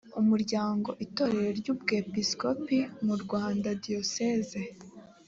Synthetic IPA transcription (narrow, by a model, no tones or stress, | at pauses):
umuɾɟaːŋɡo̞ʔito̞ːɾe̞ɾeɾɟuːb̚ɡe̞piskopimuɾɡwaːndadio̞seze